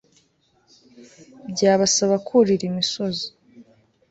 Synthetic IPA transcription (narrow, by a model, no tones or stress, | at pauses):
bɟaːβasaβakʰuɾiɾimisozi̥